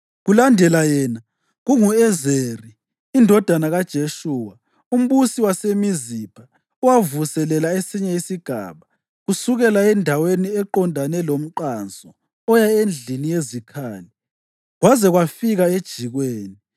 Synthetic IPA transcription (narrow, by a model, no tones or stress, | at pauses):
ɣulandʱɛlajɛːna | ɣuŋuɛzeriː | ndʱɔd̥ʱanaɣad̥ʒ̥ʱeʃuːwa | um̩βusiwasemizipʰa | uwavusɛlɛlaesiɲɛisiɡ̥ʱa̰ːβa | ɣusuɣɛlaɛndʱaweniɛǃɔndʱanɛlom̩ǃand͡zʱɔ | ɔjaend͡ɮʱinijezikʰaːli | ɣwazɛɣwafiɣaed̥ʒ̥ʱiɣweːni